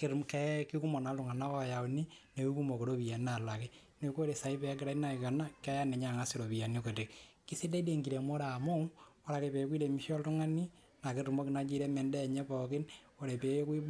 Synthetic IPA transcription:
ke˨ɾkɛ˦ki˦ku˦mo˨na˨˦ltu˨ŋa˨na˦kɔ˨ja˨u˨ni˦ne˨ku˦ku˦mo˨ke˨ɾo˦βi˨a˨na˨la˨ke˦ | ne˨ko˦ɾe˨sa˨i˦pe˨a˦k̬ɪ˨ɾa˦i˦na˦˨i˨ka˨na˦kɛ˦ja˦ne˨ɲa˦˨ŋa˦si˦ɾo˨βi˨ja˨ni˦ko˨te˨kki˦se˦de˦i˦de˦˨ŋɡi˨ɾe˨mo˦ɾa˨mo˦o˦ɾa˨ke˨pe˨˦kwi˦ɾe˨mi˦ʃɔ˦ltu˦ŋa˦ni˦ | na˨ki˦ru˨mo˦kina˨˦t͡ʃi˦ɾe˦mɛ˨ndɛ˦˨ɲɛ˦pɔ˨kɪ˦n | o˨ɾe˨pe˨˦kwi˦

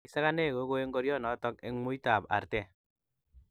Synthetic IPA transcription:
i˦sa˦ka˦ne˦˨ko˨˦ko˦e˦ŋɡo˦ɾjɔ˦˨nɔ˨˦tɔ˦k̚e˦mu˦i˦ta˨pa̰˨rtɛ˦

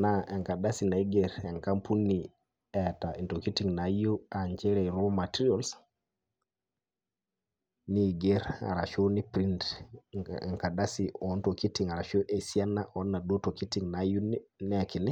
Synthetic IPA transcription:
naɛ˨ŋka˨ɗa˦si˨na˨i˦ɡɛɾɛ˨ŋka˦mpʰu˦nːi | ɛtai˨ntoki˦ti˨ŋna˨ju˦aɲd͡ʒɛ˦ɾɛɾomatiɾiols | ni˦ɡeɾa̰˨ɾa˨ʃoni˦pɾi˦nt | ɛ̰˨ŋka˨ɗa˦siɔnto˨ki˦tiŋa˨ɾa˨ʃo˦ʔe˨si˨a˦naʔɔ˦nːa˨ɗo˦to˨ki˦ti˨ŋnaju˦nnɛki˨ni˦

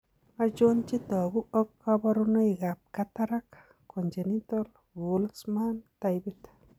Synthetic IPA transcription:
a˦d͡ʒo˦nt͡ʃi˦tɔ˨ɡu˦ɔ˦kːa˦ba˦ɾu˦no˦i˨ɡa˨p̚ka˦ta˦ɾa˦k | ko˨nd͡ʒe˨ni˦tɔ˦l | wu˨lsma˦nta˧jbi˦t

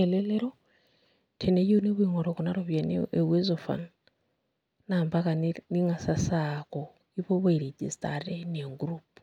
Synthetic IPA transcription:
ɛlɛ˦lɛ˦ɾɔ | tʰɛ˨ne˦jo˦ne˦βu˦iŋɔ˨ɾɔ˨kuna˦ɾɔ˨βjɛnɛ̰ewe˦zɔfa̰˨n | nambaka˨nni˦ŋa˨sasakɔ | i˦βɔ˦βo˦i˨ɾed͡ʒḭ˨stʼa̰ɾɛneŋɡɾup

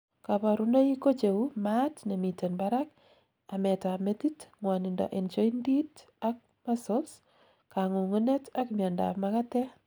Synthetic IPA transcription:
ka˨pa˨ɾuna˦i˦ko˦t͡ʃe˨wu˦matne˨mi˨te˨nbaɾak̚ | a˨mɛ˨ta˨me˦titŋwa˨nɪndɔ̰˨ʔe˨nt͡ʃo˦i˦ndi˦t | ak̚ma˦so˦s | kaŋu˨ŋu˦ne˦ta˦kmja˨nda̰pmaka˦tɛ˦

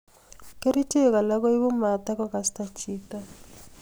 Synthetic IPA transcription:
ke˦ɾi˦te˦˨ka˨la˦kɔ˦i˦bʊ˦ma˨ta˦kɔ˦ka˨sta˦t͡ʃʰi˦ta˦

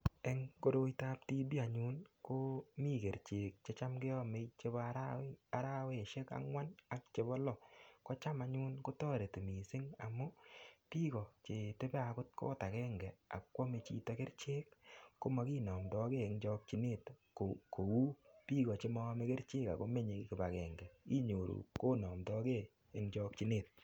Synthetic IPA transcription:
ɛ˦ŋko˦do˦jta˦pti˦bi˦a˨ɲu˦nko˦mi˦˨ke˨ɾt͡ʃe˨k̚t͡ʃe˦t͡ʃa˦mkɪ˦ɔ˦me˧t͡ʃe˦bɔ˦ɾaa˨ɾa˦we˦˨ʃe˦ka̰˦ŋwa˦na˨k̚t͡ʃe˨bɔ˦lɔ˨kɔ˦t͡ʃa˦ma˦ɲu˦nko˦tɔ˦ɾe˨tu˨mi˨sɪ˦ŋa̰˨mʊ˦pi˦ɡɔ˨t͡ʃe˨te˦pe˦a˨kʊ˦t̚ko̰ː˦ta˨kɛ˦ŋɡɛ˨a̰˨kkwɔ˦me˨t͡ʃḭ˨tɔ˨˦ke˦ɾt͡ʃeː˦kːo˦mɔ˨ki˦nɔ˨mtɔ˦ke˦e˨ŋt͡ʃɔ˦k̚t͡ʃi˦ne˦˨tko˨ko˨wu˦pi˦kɔ˨t͡ʃe˦mɔ˦me˦ke˦ɾt͡ʃe˦ka̰˨ko˦me˦ɲe˨kɪ˨pa˨kɛ˨ŋɡɛ˨ki˦ɲo˨ɾṵ˨ko˦nɔ˨mtɔ˦ke˦ | e˨ŋt͡ʃɔ˦k̚t͡ʃi˦ne˦˨t̚

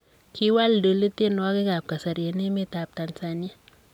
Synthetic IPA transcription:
kʰi˦wa˦ldo˨li˦te˦n˦wa˦ki˦ɡa˨p̚ka˨sa˨ɾje˨ne˦me˦ta˨p̚ta˨nsa˨ni˦a˦

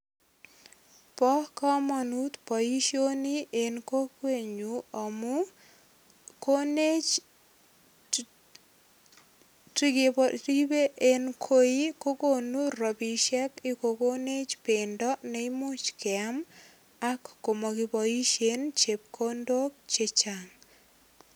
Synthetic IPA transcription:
pɔ˦kɔ˦mɔ˨nu˦t̪pɔ˨i˦ʃio˦ni˦ʔenko˦kwe˦˨ɲuɔ˨mu˦ | ko˦ne˦t͡ʃ | ti˦ɡe˨pɔtibe˦ʔenkʰo˦i˦ko˦ko˦nu˦rɔ˨bi˨ʃɛ˦kɪko˨ko˦ne˦t͡ʃpendɔ˦nɛ˨ɪmo˦t͡ʃkɪam | a˦kːo˨mo˨ɡi˨pɔ˨i˦ʃent͡ʃe˨p̚kʰo˦ndo˦k̚t͡ʃe˦t͡ʃa˨ŋ

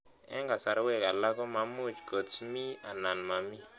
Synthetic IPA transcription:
ɛ̰˦ŋɡa˨sa˨ɾwɛ˦˨ka˨la˦kɔ˦ma˨mu˦˨t͡ʃɡo˨t͡smi˦a˨na˨nma˨mi˦

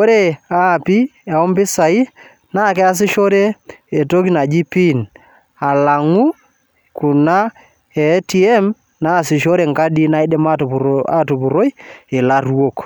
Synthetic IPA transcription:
o˦ɾe˦˨a˦˨pi˦ | ɛ˨ɔ˦mbɪ˦sa˨i˦ | na˦˨kɛ˦a˨s̬ɪ˦ʃo˦ɾe˦e˨to˦ki˦na˨d͡ʒi˦pi˦˨n | a˨la˨ŋu˦ | ku˨na˦ | ɛ˨˦ti˦ɛ˦m | na˦˨sɪ˨ʃo˦ɾe˨ŋka˦di˦na˦i˦dɛ˦ma˦˨a˨tu˨pu˨ɾo˦je˨la˦rwo˦˨k

